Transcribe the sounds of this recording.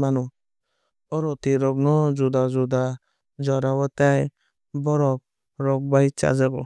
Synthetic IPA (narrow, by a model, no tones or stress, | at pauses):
manu | ɔɾɔtiɾɔk̚nɔd͡ʒudad͡ʒuda | d͡ʒɔɾawɔtaj | bɔɾɔp̚ | ɾɔk̚bajt͡ʃa̰zaɡɔ